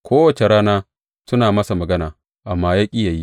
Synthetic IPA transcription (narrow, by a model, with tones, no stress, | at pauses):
kʷoː˦wɐ˨t͡ʃe˨ɽaː˦naː˦ | sʊ˦naː˨mɐ˦sa˨mɐ˨ɡɐ˦naː˨ | ʔa˨mːaː˦jaː˦kʲʼɪ˦ja˨ji˦